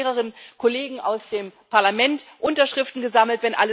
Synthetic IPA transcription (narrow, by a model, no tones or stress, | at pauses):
ʁəʁ̞ənkʰoleːɡŋ̩a̰ʊsd̥eːmpʰaɐlamɛntʔʊntɐʃʁ̥ɪftn̩ɡəzaml̩tv̥ɛnʔa̰lə